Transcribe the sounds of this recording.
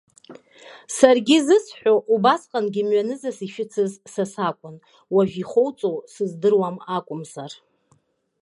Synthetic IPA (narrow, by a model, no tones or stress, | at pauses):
sarɡʲizɨsħʷᶣoʔubasqʼanɡʲɪmɥanɨzasiʃᶣɪt͡sʰɨzsasakʷʼʊn | waʒᶣiχʷowt͡sʼosɨzdɨrwamakʷʼʊmzar